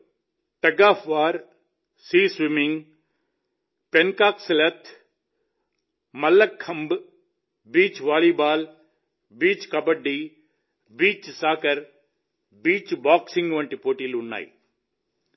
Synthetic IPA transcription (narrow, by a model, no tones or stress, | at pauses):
ʈɐɡaːfʰʋaːɾ | siːsʋɪmɪŋɡ | penkaːksɪlɐt̪ʰ | mɐlːɐkʰːɐmb | biːt͡ʃʋaːliːbaːl | biːt͡ʃkɐbəɖiː | biːt͡ʃsaːkəɾ | biːt͡ʃbaːksɪ̃ŋɡʋɐ̃ɳʈipoːʈiːlʊnːa̰ːḭː